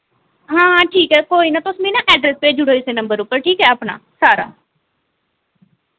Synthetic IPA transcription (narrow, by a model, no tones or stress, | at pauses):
ɦãːʈʰiːkɦɛːkoːiːnãːt̪ʊsmĩːnãːʔɛːɖɾɛspeːd͡ʒʊɽoːɪseːnə̃mbəɾʊpːəɾʈʰiːkɦɛːəpna̰ːsaːɾa̰ː